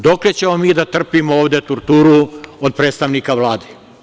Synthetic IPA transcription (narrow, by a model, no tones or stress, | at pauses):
d̪o̞klet͡ɕe̞mo̞miːd̪at̪r̩pimooːʋd̪et̪uɾt̪uːɾuod̪̚pɾeːt̪st̪aʋnikaʋlˠaːd̪e